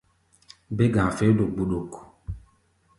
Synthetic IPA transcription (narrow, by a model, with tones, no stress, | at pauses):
be˦ɡã˨fe˨˦do˨ɡ͡bu˨ɗo˨k